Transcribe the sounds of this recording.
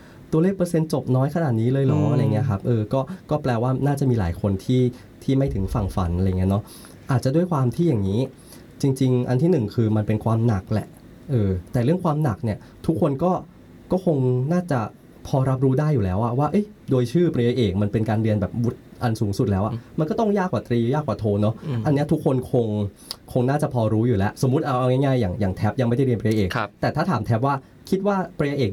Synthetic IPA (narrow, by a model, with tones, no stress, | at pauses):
t̪u˧leː˥˩k̚pɾɤː˧se˧nt͡ɕo˨˩p̚nɔː˦˥jkʰa˧naː˨˩t̪̚niː˦˥lɤː˧jlɔː˦ŋ˨˧a˨ŋːi˦˥ɐ˧kʰa˦˥p̚ʔɤː˧kɔː˥˩kɔː˥˩plɛː˧waː˥˩naː˥˩t͡ɕa˨˩ʔmiː˧la̰ː˩˦jkʰo˧nt̪ʰiː˥˩ | t̪ʰiː˥˩ma˥˩jt̪ʰɯ˩˦ŋfa˨˩ŋfa̰˩˦nʔa˧˨˩ŋi˦˥nɔ˦˥ | ʔaː˨˩t̪̚t͡ɕa˨˩du˥˩əjkʰwaː˧mt̪ʰiː˥˩ja˨˩ŋːiː˦˥ | t͡ɕi˧ŋt͡ɕi˧ŋʔa˧nt̪ʰiː˥˩nɯ˨˩ŋkʰɯː˧ma˧npe˧nkʰwaː˧mna˨˩k̚lɛ̰˨˩ʔ | ʔɤː˧t̪ɛː˨˩ɾɯ˥˩əŋkʰwaː˧mna˨˩k̚ni˥˩ɐ | t̪ʰu˦˥kʰːo˧nkɔː˥˩ | kɔː˥˩kʰo˧ŋnaː˥˩t͡ɕa˨˩ | pʰɔː˧ɾa˦˥p̚ɾuː˦˥daː˥˩jːuː˨˩lɛː˦˥wʔa˨˩waː˥˩ʔɤ˦˥˩j | doː˧jt͡ɕʰɯː˥˩pɾa˧ja˧ʔeː˨˩k̚ma˧npe˧nkaː˧nɾi˧ənbɛː˨˩p̚wu˦˥t̪̚ʔa˧nsuː˩˦ŋsu˨˩lɛː˦˥ʔa˨˩ma˧nkɔː˥˩t̪ɔ˥˩ŋjaː˥˩kʰwaː˨˩t̪ɾiː˧jaː˥˩k̚waː˨˩t̪ʰoː˧nɔ˦˥ʔa˧nːi˦˥ɐt̪ʰu˦˥kʰːo˧nkʰo˧ŋ | kʰo˧ŋnaː˥˩t͡ɕa˨˩pʰɔː˧ɾuː˦˥juː˨˩lɛ˦˥ʔso˩˦mːu˦˥t̪̚ʔa˧wʔa˧ŋaː˥˩ŋaː˥˩jːaː˨˩ŋjaː˨˩ŋt̪ʰɛ˦˥p̚ja˧ŋma˥˩jda˥˩ɾi˧npɾa˧ja˧ʔeː˨˩kʰt̪ɛː˨˩t̪ʰaː˥˩t̪ʰaː˨˩˦mt̪ʰɛ˦˥p̚waː˥˩ | kʰi˦˥t̪̚waː˥˩pɾa˧ja˧ʔeː˨˩k̚